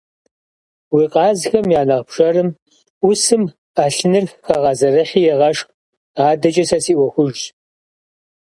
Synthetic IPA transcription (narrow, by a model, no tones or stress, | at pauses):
wiːqʼɑːzxɐmjaːnɐʁpʂɐɾɨm | ʊsɨm | aːɬɨnɨrxɐʁɐzɐrɐχiːjɛʁɐʂq | aːdɐt͡ʃʼɐsɐsiːʔʷɔxʷʊʒ